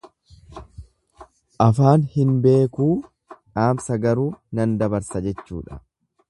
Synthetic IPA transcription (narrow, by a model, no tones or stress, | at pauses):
ʔɐfaːnhɪnbe̞ːkuː | ᶑaːmsɐɡɐɾuːnɐnd̪ɐbɐɾsɐd͡ʒɛt͡ʃːṵːᶑɐ̥̰